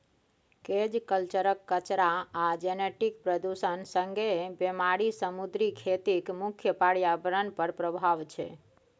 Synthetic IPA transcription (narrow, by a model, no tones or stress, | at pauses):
ked͡ʒkəlt͡ʃəɾəkːət͡ʃɾaad͡ʒeneʈik̚pɾəd̪usənsə̃ŋɡʱebemaɾisəmud̪ɾikʰet̪ikmukʰjəpaɽijabəɾənpəɾpɾəbʱaʋt͡ʃʰḛ